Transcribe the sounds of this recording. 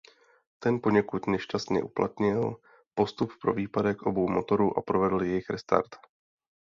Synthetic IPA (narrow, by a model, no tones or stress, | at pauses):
t̪ɛnpo̞ɲɛkut̪nɛʃcast̪ɲɛ̰ʔupla̰t̪ɲɪl | po̞st̪up̚pɾo̞viːpadɛkʔo̞bo̞wmo̞t̪o̞ɾuʔapɾovɛdl̩jɛjɪxɾɛst̪a̰ɾt̪